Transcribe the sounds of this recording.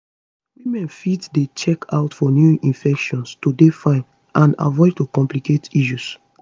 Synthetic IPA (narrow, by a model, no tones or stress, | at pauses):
wimɛ̃nfitdet͡ʃɛkʰa̰ʊtfɔnjuĩnfɛkʃɔ̃nstudefãɪ̃n | ʔãna̰vɔɪd̚tokɔ̃mpliketiʃ̬us